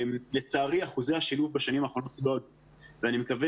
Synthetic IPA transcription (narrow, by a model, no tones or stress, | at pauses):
mle̞t͡saːʁiaχuze̞jhaʃiluvbaʃanimaːχo̞no̞t̪̚lol | veanimekave